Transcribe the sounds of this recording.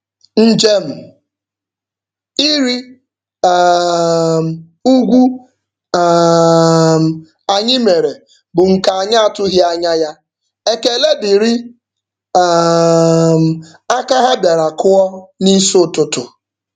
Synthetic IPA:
n̩˦d͡ʒe˦m̩˨ | i˦ɾi˦ | m˨ | u˦ɡʷu˦˨ | m̩˨ | a˨ɲɪ˦me˨ɾe˨ | bʊ˨ŋ̩˨ka˨a˨ɲa˦a˨tʊ˦ɦɪ˦a˦ɲa˦ja˦ | e˦ke˨le˦dɪ˨ɾi˦ | m̩˨ | a˦ka˦ɦa˦bja˨ɾa˨kʊ˦ɔ˦ni˦so˦˨tʊ˨tʊ˨

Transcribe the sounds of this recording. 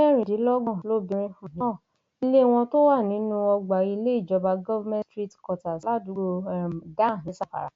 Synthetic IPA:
ɛ˦ɾ̃ĩ˨di˨˦lɔ˦ɡɔ̃˦˨lo˦˨bĩ˧ɾ̃ĩ˧fũ˨nĩ˨˦˨ | i˦le˦w̃ɔ̃˧to˦wa˦˨nĩ˨˦nũ˦ɔ˧ɡ͡ba˨i˧˦le˦i˦˨d͡ʒɔ˧ba˧ɡɔ˦vmɛ̃˦stɾi˦˨tkɔ˧˨ta˨la˦˨du˨˦o˧˨da˦˨nĩ˨˦sa˦˨fa̰˨ɾa̰˨˦

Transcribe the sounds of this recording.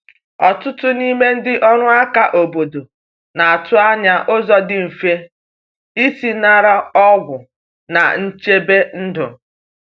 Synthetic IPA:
ɔ˨tʊ˦tʊ˦ni˦me˦n̩˦dɪ˦ʔɔ˦ɾʊ˦a˦ka˨ʔo˨bo˨do˨ | na˨a˨tʊ˦a˦ɲa˦ʔo˦zɔ˦dɪ˨m̩˨fe˦ | i˦si˦na˦˨ɾa˦ɔ˦ɡʷʊ˨ | na̰˨n̩˦t͡ʃe˦be˦n̩˦dʊ̰˨

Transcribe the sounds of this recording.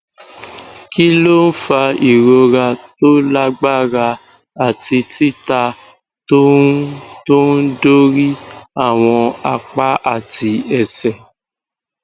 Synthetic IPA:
ki˦lo˦n̩˦fa˧i˨ɾo˧ɾa˧to˦la˦ɡ͡ba˦˨ɾa˧ | a˦˨ti˧ti˦ta˧ | to˦ | to˦n̩˦do˦ɾi˦a˦˨w̃ɔ̃˧a˧k͡pa˦ʔa̰˦˨ti˧ɛ˨sɛ˨

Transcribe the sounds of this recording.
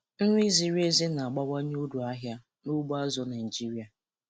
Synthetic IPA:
n̩˦ŋʷi˦zi˦ɾe˦zi˦na˨a˨ɡ͡ba˦wa˦ɲ˦o˦du˨a˦ɦja˦ | nu˦ɡ͡ba˦zɔ˦na˨d͡ʒi˦ɾi˨a˨

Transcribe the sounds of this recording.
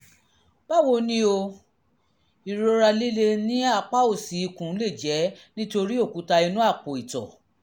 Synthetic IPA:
ba˦˨wo˧nĩ˦o˧ | i˨ɾo˨˦ɾa˧li˦le˧nĩ˦a˦˨k͡pa˦o˦˨si˨˦i˧˨kũ˨˦le˦˨d͡ʒɛ˨˦nĩ˦to˧ɾi˦o˦˨ku˨˦ta˧i˧nũ˦a˦˨k͡po˨i˨tɔ̰˨

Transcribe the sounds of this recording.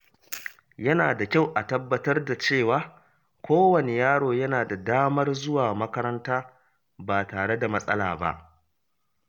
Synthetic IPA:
jɐ˦naː˨da˨kʲa˦˨wʔa˨tɐ˦bːɐ˦tɐ˦rda˨t͡ʃeː˦˨waː˨˦ | kʷoː˦wɐ˨ne˨jaː˦ɽoː˨jɐ˦naː˨da˨daː˦mɐ˦rzʊ˦waː˨mɐ˦kɐ˦ɾɐ˦ntaː˦ | baː˨taː˨ɽe˦da˨mɐ˦sʼɐ̰˦la̰ː˨ba̰˦ʔ

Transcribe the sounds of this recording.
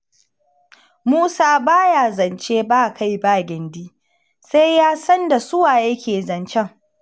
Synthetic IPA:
muː˦saː˦baː˦jaː˨zɐ˨nt͡ʃeː˦baː˦˨kʰa˦jbaː˦˨ɡʲɪ˨ndiː˦ | sa˦jjaː˦sɐ˦nda˨sʊ˦waː˨jɐ˦kʲeː˨zɐ˨nt͡ʃɛ˦ŋ

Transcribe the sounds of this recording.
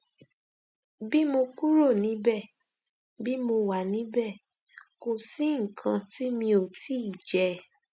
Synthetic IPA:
bi˦mo˧ku˦ɾo˦˨nĩ˨˦bɛ˦˨ | bi˦mo˧wa˨nĩ˨˦bɛ˦˨ | ko˨si˨˦ŋ̩˨kʰã˧ti˦mĩ˧o˨tʰi˦i˦˨d͡ʒɛ˨˦

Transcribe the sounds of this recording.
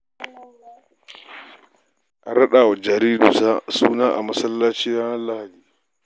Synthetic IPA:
ʔa˨ɽɐ˦ɗaː˨wa˨d͡ʒɐ˨ɾiː˦du˨sa˦suː˦naː˦ʔa̰˨mɐ˦sɐ˦lːaː˦t͡ʃiː˦ɾaː˦nɐ˦lla˦ha˨diː˨

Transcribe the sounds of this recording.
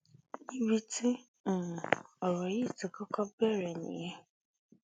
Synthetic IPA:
nĩ˦wi˦tĩ˦˨ | ɔ˨ɾɔ˨ji˦˨ti˨kɔ˦kɔ˦bɛ˦˨ɾɛ˨nḭ̃˨jɛ˦

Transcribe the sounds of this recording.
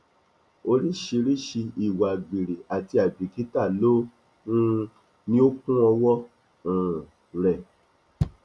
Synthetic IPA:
o˧ɾi˦ʃi˧ɾi˦ʃi˧i˨wa˨ɡ͡bi˨ɾe˨a˨ti˧a˨bi˨ki˨˦ta˦˨lo˦ | ũ˦ | nĩ˦o˦kũ˦ɔ˧wɔ̃˦˨ | ɾɛ˨

